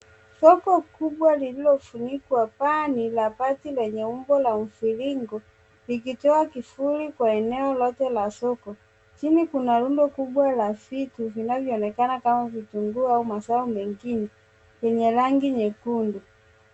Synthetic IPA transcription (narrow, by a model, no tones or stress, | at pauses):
sɔkɔkubwalililɔfunikwapanilapatilwɛɲɛumbɔlam̩filiŋɡɔ | likitɔakifulikwaɛnɛɔlɔtɛlasɔkɔ | t͡ʃinikunalundɔkuɓwalafituvinavjɔːnɛkanakamavituŋɡuaumasaumɛŋɡinɛ | jɛɲɛlaŋɡiɲɛkundu